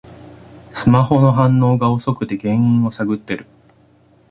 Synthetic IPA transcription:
sɨmaho̞no̞ɦãnːo̞ːɡao̞so̞kɯ̟t̪e̞ɡẽ̞ɰ̃ĩɰ̃o̞saɡɯ̟t̪ːe̞ɾɯ̟

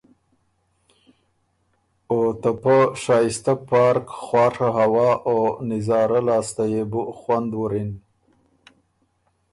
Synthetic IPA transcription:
ot̪apəʂɑːjɪst̪apɑɾkxwɑːʂaɦawɑːʔonɪzɑːɾalɑːst̪ajebuxwand̪wuɾin

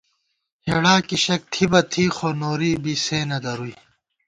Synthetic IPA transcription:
hɐɽaːkiɕɐk̚t̪ʰibɐt̪ʰiːxoːnoːɾiːbiseːnɐd̪ɐɾuːi

